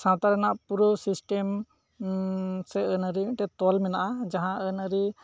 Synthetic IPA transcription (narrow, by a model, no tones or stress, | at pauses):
sãt̪aɾɔnaʔpuɾɔsisʈɛm | sɛənəɾiʔʈɛt̪ɔlmɛnaʔad͡ʒaɦãʔənəɾi